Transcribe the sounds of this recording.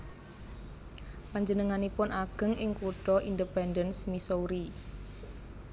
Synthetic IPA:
paɲd͡ʒənəŋanipʊnʔaɡ̥ə̤ŋʔɪŋkuɖ̥ɔʔindəpɛndənsmisouɾi

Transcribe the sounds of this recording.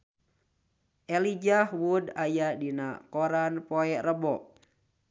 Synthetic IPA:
ʔɛlid͡ʒahwudajadinakɔɾanpɔɛʔrəbɔʔ

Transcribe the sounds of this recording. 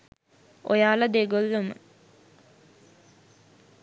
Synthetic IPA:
o̰jaːləd̪eɡolːumə̰

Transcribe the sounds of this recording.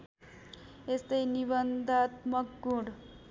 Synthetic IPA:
est̪ʌjnibʌnd̪ʱat̪mʌkɡũɽ

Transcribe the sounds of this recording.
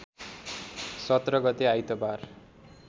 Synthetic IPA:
sʌt̪rʌɡʌt̪eajt̪ʌbar

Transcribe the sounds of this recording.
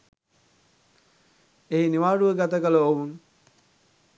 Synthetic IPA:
einiʋaːɖuʋəɡat̪əkələowun

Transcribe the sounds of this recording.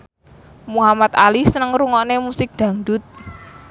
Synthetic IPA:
muɦamat̪̚alisənəŋɾuŋɔnemusɪk̚d̪̥ä̤ŋɖʊt̪̚

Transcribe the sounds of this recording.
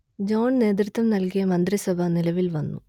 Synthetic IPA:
d͡ʑo̞ːɳne̞ːt̪̬ɾɨt̪ːɐmnɐlkijɐmɐnd̪risɐbʱɐnilɐʋilʋɐnːṵ

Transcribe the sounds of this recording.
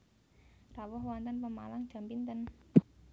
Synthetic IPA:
rawɔhwant̪ɔnpəma̰laŋd̥d͡ʒ̥a̤mpint̪ən

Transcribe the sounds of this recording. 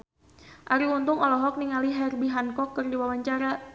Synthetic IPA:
ʔaɾiunt̪ʊŋɔlɔɦɔk̚niŋaliɦɛrbiɦankɔkːərdiwawaɲt͡ʃaɾa

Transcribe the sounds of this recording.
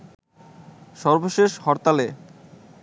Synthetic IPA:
ʃɔɾboʃeʃhɔɾt̪ale

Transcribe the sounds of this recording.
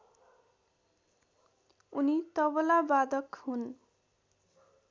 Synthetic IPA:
unit̪ʌbɔlabad̪ʌkhun

